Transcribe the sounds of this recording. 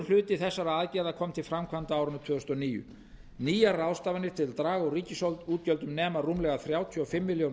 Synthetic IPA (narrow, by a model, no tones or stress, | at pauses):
l̥ʏːt̪ɪθɛsːaɾaaːðcɛːðakʰɔmt̪ʰɪlfɾamkʰvant̪aawɾʏnt̪ʰvʏːðʏst̪ɔniːjʏ̰ | niːjarawst̪aːvanɪɾ̥t̪ʰɪlt̪ɾaːɣɔɣriːcɪsowlt̪uːt̪cœlt̪ʏmnɛːmaruːmlɛɣaθɾjaːwt̪ʰiɔfɪmːɪljow